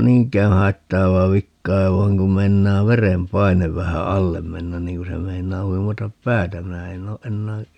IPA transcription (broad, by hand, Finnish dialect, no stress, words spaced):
niːŋkˑæː hɑitːɑːʋɑː ʋikːɑː ʋɑi̯ŋ kum meinˑɑː ʋerempɑineʋ ʋæhæ ɑlːem menːæn niːŋ ku se meinˑɑː huimɑtɑp pæːtæ minæ en oː ʔenːæː